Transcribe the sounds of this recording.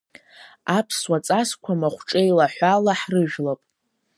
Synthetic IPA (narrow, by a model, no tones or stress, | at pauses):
apʰswat͡sʼaskʷʰamaχʷʈ͡ʂʼejlaħʷalaħrɨʒᶣlapʼ